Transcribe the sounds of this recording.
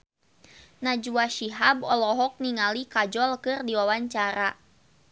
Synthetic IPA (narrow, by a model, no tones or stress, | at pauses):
nad͡ʒuaʃiɦabɔlɔɦɔk̚niŋalikad͡ʒɔlkɨrdiwawaɲt͡ʃaɾa